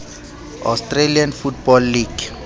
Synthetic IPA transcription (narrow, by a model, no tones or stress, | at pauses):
a̰strelianfutbɔlːiɡ